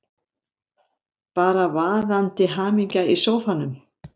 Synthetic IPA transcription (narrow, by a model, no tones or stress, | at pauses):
paːɾavaːðant̪ɪɦaːmiɲcaisoːwfanːʏm